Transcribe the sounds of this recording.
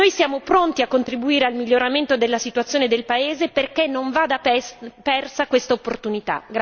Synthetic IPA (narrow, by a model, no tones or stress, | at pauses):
nojsjaːmopɾont̪iakːont̪ɾibuiːɾealmiʎːoɾament̪od̪elːasit̪wat̪sːjoːned̪elpaeːzeperkenːoɱvaːd̪apɛrsakwest̪aopːort̪unit̪a̰ɡ